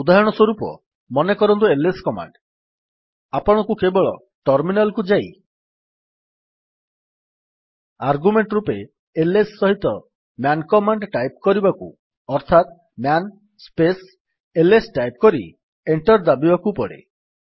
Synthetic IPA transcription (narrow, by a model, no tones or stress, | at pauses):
ud̪aɦɔɽ̃ɔswɔɾupɔ̰ | mɔnekɔɾɔnt̪̬ueleskɔma̰ɳɖ | apɔɽ̃ɔkukebɔɭɔ | ʈɔɾminalkud͡ʒaj | aɾɡumeɳʈɾupe | elesːɔɦit̪ɔ | mjankɔmaɳɖʈajpkɔɾibakṵ | ɔɾt̪ʰat̪ | mjan | spes | elesʈajp̚kɔɾḭ | eɳʈɔɾd̪abibakupɔɽḛ